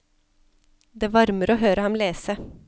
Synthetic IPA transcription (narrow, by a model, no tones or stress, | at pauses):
d̪eːʋɑɾməɾoːɦøːɾəhɑmleːsə